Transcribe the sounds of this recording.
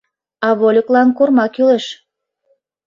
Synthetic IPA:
ɑβolʲəklɑnkurmɑkyleʃ

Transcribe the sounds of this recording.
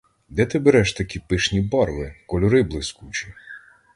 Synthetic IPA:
d̪ɛt̪ɪbeɾɛʃt̪ɐkʲipɪʃnʲibɔrʋɪkɔlʲʊɾɪblˠɪskut͡ʃi

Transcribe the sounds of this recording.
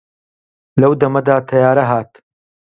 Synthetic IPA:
lɐwd̪ɐmɐd̪aːt̪ʰɐjaːɾɐɦaːt̪

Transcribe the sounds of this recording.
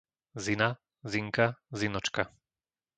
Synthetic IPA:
zina | ziŋkazinɔt͡ʃka

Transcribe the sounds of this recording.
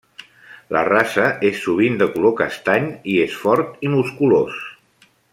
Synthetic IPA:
lə̰rasəʔesːuβ̞ind̪əkulokəst̪aɲiesfɔɾt̪imuskulos

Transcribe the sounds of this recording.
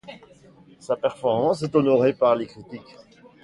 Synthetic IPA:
sapɛʁfɔʁmɑ̃sɛt̪ɔnɔʁepaʁlekχit̪ik

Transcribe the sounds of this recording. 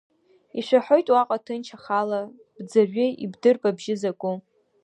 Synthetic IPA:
iʃʷaħo̞jtʼwaqʼatʰɨnt͡ʃʰaχala | b̥d͡zaʒʷᶣɪḭbdɨrpʼabʒɪzakʷʼʊ

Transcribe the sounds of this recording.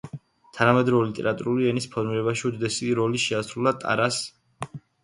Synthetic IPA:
t̪ʰanamɛd̪ɾɔɛlit̪ʼɛ̰ɾat̪ʼuɾuliɛnispʰɔɾmiɾɛbaʃiud̪d̪ɛsiɾɔliʃɛasɾulat̪ʼa̰ɾas

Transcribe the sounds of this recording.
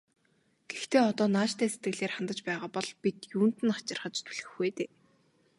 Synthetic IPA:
ɡ̥ext̪ʰeːɔt̪ɔːnaːt͡ɕt̪ʰæːset̪ɡɘ̆ɣɮeːrχant̪ə̆t͡ɕpæːʁaːpɔɮpit̪juːn̥t̪ɘ̆nχḁt͡ɕɪ̆rχə̆t͡ɕt̪ʰuɮɘ̆xɡeːt̪eː

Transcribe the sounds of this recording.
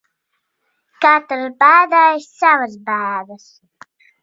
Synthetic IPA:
kat̪ɾbæːd̪ajssavəsbæːd̪əs

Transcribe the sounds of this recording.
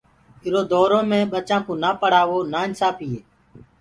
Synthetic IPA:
ɪɾoːd̪ɔːɾõːmẽːɓət͡ʃãːkõːnaːpəɽ̤aːʋoːnaːɪnsaːpiːeː

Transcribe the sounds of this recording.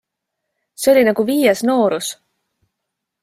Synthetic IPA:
seo̞lʲinɑɡ̥uviːjesno̞ːɾus

